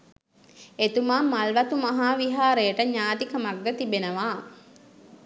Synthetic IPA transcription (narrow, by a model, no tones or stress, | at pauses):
et̪umaːmɐlʋɐt̪umɐɦaːʋiɦaːɾeːʈəɲaːt̪ikəmɐɡ̚ɡət̪ibenəʋaː